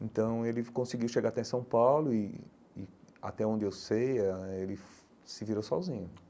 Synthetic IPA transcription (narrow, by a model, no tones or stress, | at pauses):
ẽt̪ɐ̃w̃elɪkõsiɡiwʃeɡaɾat̪ɛ̃sɐ̃w̃pawlʊɪː | a̰t̪ɛõnd͡ʒ̪ɪewsejɐelɪf | sɪviɾowsɔzĩɲʊ